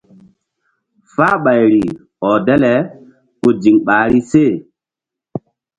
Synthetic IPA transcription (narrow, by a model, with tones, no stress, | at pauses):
faː˦ɓa˨jɾi˨ | ɔ˨dɛ˦lɛ˨ | ko˨d͡ʒi˨ŋɓaː˨ɾi˦se˦˨